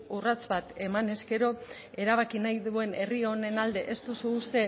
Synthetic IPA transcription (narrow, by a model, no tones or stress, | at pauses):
urat͡sβat̪e̞mane̞ske̞ɾo̞ | e̞ɾaβakinajðue̞ne̞rio̞ne̞nald̪e̞ʔest̪usuːst̪e̞